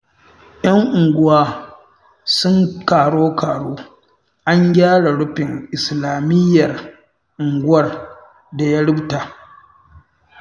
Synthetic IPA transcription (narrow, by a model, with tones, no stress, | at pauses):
j̰ɐ˦ŋʔʊ˨ŋɡʷʊ˦waː˦ | sʊ˦ŋkaː˨ɽoː˦kaː˨ɽoː˦ | ʔa˦ŋɡʲaː˦ɽa˨ɽʊ˦ɸɪ˨ŋʔɪ˨slaː˨mɪ˦jːɐ˨r | ʔʊ˨ŋɡʷʊ˦wɐ˦r | da˨ja˦ɽɪ˦bta˨